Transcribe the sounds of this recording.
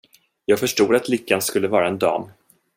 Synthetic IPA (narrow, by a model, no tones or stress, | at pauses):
jɑːɡfœʂʈuːd̪at̪lʏkːanskɵlːəvɑːɾaɛnd̪ɑ̰ːm